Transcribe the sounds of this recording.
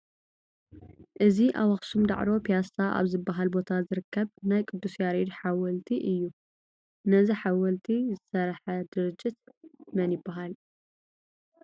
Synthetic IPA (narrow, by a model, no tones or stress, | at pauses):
ʔɨziʔa̰wɐxsumd̪a̰ʕɾo̞pʰijasaʔa̰βzɨbːaɦalbo̞t̪ʰazɨɾɨkʰːɐβnajkʼɨd̪ːusjaɾed̪ħawɐlt̪ʰiʔɨjːu | nɐziħawɐlt̪ʰizɨsɐɾħɐd̪ɨɾɨd͡ʒːɪt̪mɐnjɪbːaɦal